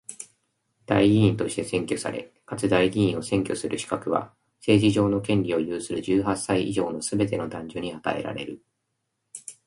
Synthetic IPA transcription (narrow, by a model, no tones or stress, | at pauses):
d̪̥aiɡʲiĩnt̪o̞ɕi̥t̪e̞sẽ̞ŋkʲo̞sa̰ɾe̞̰ | kat͡sɨd̪aiɡʲiĩɰ̃o̞sẽ̞ŋkʲo̞sɨɾʔɯ̟ɕi̥kakɯ̟βa̰ | se̞ːʑiʑo̞ːno̞kẽ̞nɾʲio̞jɯːsɨɾɯ̟ʑɨːɦasːaiʔḭʑo̞ːno̞sɨbe̞t̪e̞no̞d̪ãɲ̟d͡ʑo̞ɲ̟iat̪a̰e̞̰ɾa̰ɾe̞ɾɯ̟